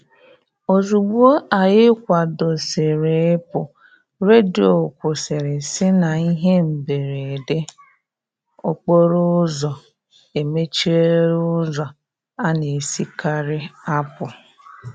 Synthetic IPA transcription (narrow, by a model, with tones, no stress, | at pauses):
o˨zu˨ɡ͡bu˦o˦a˨jɪ˦kʷa˨do˨se˨ɾe˨ɪ˦pʊ˨ | ɾe˦di˨o˨kʷʊ˨se˨ɾɪ˨sɪ˦na˨i˦ɦe˦m̩˨be˨ɾe˨de˦ | o˦k͡po˦ɾʊ˦zɔ˨ | e˨me˦t͡ʃi˦e˦ɾʊ˦ʊ˦zɔ˨ | a˦ne˨si˦ka˦ɾɪ˦a˦pʊ˨